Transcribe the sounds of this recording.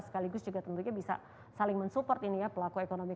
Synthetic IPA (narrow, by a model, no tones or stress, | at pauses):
sə̥kaliɡʊsd͡ʒuɡat̪ənt̪uɲabisa̰ | salɪŋmənsupɔrt̪inijapəlakuekonomi